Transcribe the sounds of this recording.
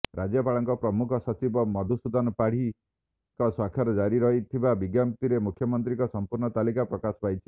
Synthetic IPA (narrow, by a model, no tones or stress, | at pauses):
ɾad͡ʒjɔpaɭɔŋkɔpɾɔmukʰɔsɔt͡ʃibɔmɔd̪ʱusud̪ɔnɔpaɽ̤i | kɔswakʰːjɔɾɔd͡ʒaɾiɾɔɦit̪ʰibabiɡjamt̪iɾemukʰjɔmɔnt̪ɾikɔsɔmpuɾɳɔt̪alikapɾɔkasɔ̥pajt͡ʃʰi̥